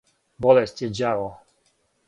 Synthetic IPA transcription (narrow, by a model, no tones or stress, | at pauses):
bɔlɛst͡ɕʲjɛd͡ʑavɔ